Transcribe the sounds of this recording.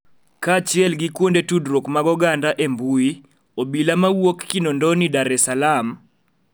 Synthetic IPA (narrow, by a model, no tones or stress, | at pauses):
kat͡ʃɪɛlɡikwondetudɾokmaɡɔɡandaʔembui | obilamawokːinɔndɔnidaɾɛsalam